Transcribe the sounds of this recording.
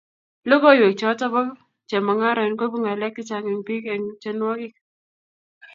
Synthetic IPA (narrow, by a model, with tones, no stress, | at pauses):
lo˦ko˦jwe˨k̚t͡ʃɔ˨˦ta˦bɔ˦ | t͡ʃɛ˨ma˨ŋa˦ɾɔ˨nko˦bu˦ŋa˨lɛ˦k̚tɪ˦t͡ʃa˨ŋɛ˨ŋpi˦kɛ˨ŋt͡ʃe˦nwɔ˦kɪ˦k